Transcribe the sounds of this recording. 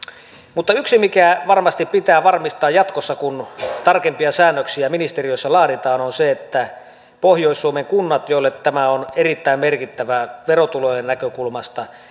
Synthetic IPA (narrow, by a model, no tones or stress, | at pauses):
mut̪ːɑyksimikæʋɑrmɑst̪ippit̪æːʋɑrmist̪ˑɑːjjɑt̪kosːɑkunt̪ɑrkempiɑsæːnːøksiæminist̪erijosːɑlɑːɾit̪ɑːnonseet̪ːæ | pohjoˑisːuomeŋkunːɑt̪jolːet̪tæmæonerit̪ːæˑimmerkit̪ːæʋæʋerot̪ulojenːækøkulmɑst̪ɑ